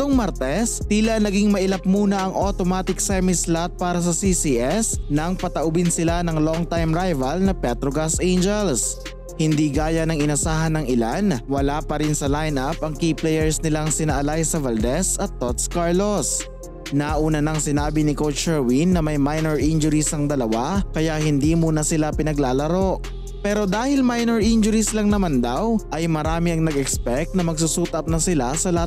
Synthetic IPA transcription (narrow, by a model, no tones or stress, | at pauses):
t̪oŋmaɾt̪ɛst̪iːlɐnɐɡiŋmɐʔɪlɐp̚muːnɐʔɐŋʔot̪omaːt̪ɪksɛmɪslat̪̚paːɾɐs̬ɐsisiʔɛsnɐŋpɐt̪ɐʔʊbɪnsɪlanɐŋloŋt̪ajmɾajvɐlnɐpɛt̪ɾoɡɐsʔejnd͡ʒɛls | hɪnd̪iːɡaːjɐnɐŋɪnɐsaːɦɐnɐŋɪlanwɐlaːpɐɾɪnsɐlajnapɐŋkiːplɛjɛɹsnɪlaŋsɪnɐʔɐlajsɐvɐld̪ɛsɐt̪ːot̪̚skaɹlos | naʔuːnɐnɐŋsɪnaːbɪnɪkowt͡ʃɛɹwinːɐmɐjmajnɛɹʔind͡ʒʊɾisɐŋd̪ɐlɐwakɐjaʔhɪnd̪iːmuːnɐsɪlapɪnɐɡlaːlɐɾo̞ʔ | pɛːɾo̞d̪aːhɪlmajnɛɹʔɪnd͡ʒʊɾislɐŋnɐmand̪awʔɐjmɐɾaːmɪɐŋnɐɡɛkspɛk̚t̪nɐmɐɡ̚susuːt̪ɐp̚nɐsɪlasɐlɐa